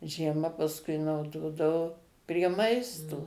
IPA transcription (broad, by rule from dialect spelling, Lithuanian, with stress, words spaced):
ʒʲiɛˈmɐ pɐsˈkʊɪ nɐʊˈdoːdɐʋoː pʲrʲiɛ ˈmɐɪstoː